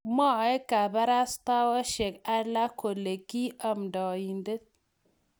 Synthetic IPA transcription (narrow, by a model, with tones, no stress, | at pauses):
ma˦˨e˦ka˨ba˦ɾa˦st̪a˦wa˦ʃe˨ka˦la˦ko˨le˨ki˦a˨mda˨ji˨nde˦t̪̚